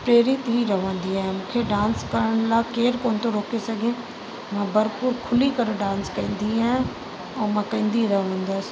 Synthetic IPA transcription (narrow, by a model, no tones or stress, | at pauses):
pɾeːɾɪt̪ɦiɾɐɦʋə̃n̆d̪iaːɦɪ̃mũːkʰeɖãːnskɐɾəɽ̃laːkeːɾkoːnt̪oɾoːkesɐɡʱẽ | mãːbɐɾpuɾkʰʊlikɐɾoɖãːnskɐ̃ːn̆d̪iaːɦ | ɛːmãːkɐ̃ːn̆d̪iɾɐɦʋə̃nd̪əs